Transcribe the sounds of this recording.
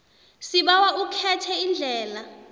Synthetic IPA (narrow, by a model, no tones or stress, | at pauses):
siɓawaukʰɛtʰɛind͡ɮʱɛːla